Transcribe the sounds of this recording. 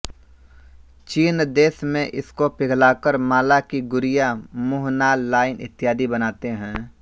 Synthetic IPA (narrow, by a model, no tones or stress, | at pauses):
t͡ʃiːnd̪eːsmẽʔɪskopɪɡʱlaːkəɾmaːlakiɡʊɾɪjamʊɦnaːaːɪnɪ̰t̪ːɪjaːd̪ibɐnaːt̪eɦɛ̃ː